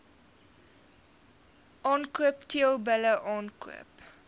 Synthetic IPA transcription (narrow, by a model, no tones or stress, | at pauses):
ʔɑːnkuəptʰiəlˠbələʔɑːnkṵəp